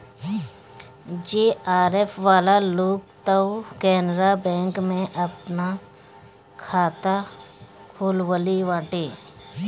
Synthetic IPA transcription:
d͡ʒeːaːɾeːpʰʋaːlaloːk̚t̪əwkɛːnəɾabɛ̃ːŋkmẽʔəpna | kʰaːt̪a | kʰuːlwəliʋãːʈeː

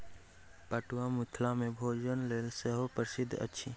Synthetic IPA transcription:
pəʈuamʊt̪ʰlamẽbʱoːd͡ʒənleːlsəɦopəɾsɪd̪ʱːə̰tːʃʰi

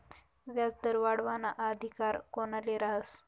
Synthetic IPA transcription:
ʋjat͡sd̪əɾʋaɽʋanaʔad̪ʱikaɾkonaleɾaɦəs

